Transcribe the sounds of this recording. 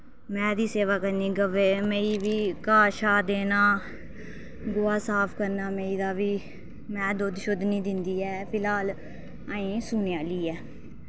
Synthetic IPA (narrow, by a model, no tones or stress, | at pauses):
mɛ̃ːd̪iːseːʋaːkəniːɡəʋeːmeːiːʋiːkaːʃaːd̪eːnaː | ɡʊːaːsaːpʰkəɾnaːmeːiːd̪aːʋiː | mɛ̃ːd̪od̪ʃʊd̪niːd̪ɪnd̪iːɛːpʰɪlaːl | aːĩːsuːnjaːliːɛː